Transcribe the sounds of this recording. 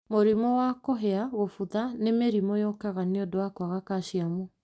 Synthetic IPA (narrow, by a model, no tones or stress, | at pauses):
moɾimɔwakoɦeaɣofuðanemeɾimojokaɣaneodowakwaɣakaʃiamu